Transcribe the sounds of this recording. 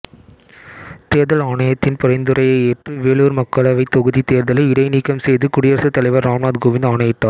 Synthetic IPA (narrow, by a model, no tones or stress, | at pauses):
t̪eːɾðɐlaːɳɐjɐt̪ːɪnpɔɾɐɪnd̪ɯɾɐjɐɪeːʈrɯʋeːɭuːɾmɐkːɐɭɐʋɐɪt̪ːɔɣɯðit̪eːɾðɐlɐɪɪɽɐɪniːkːɐmsɛjðɯkʊɽɪjɐɾsɐt̪ːɐlɐɪʋɐɾːaːmɳaːd̪ɡoːʋɪnd̪aːɳɐjɪʈːaː